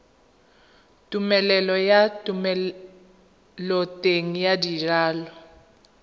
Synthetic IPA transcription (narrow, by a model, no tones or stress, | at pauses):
tʼumɛlɛlɔjatʼumɛ | lɔtʼeŋijadiraːlɔ